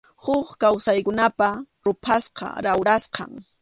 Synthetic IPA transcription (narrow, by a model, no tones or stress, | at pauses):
hʊχkawsajkʊnapa | ɾʊpʰasqɑ̰ɾawɾasqɑ̰ŋ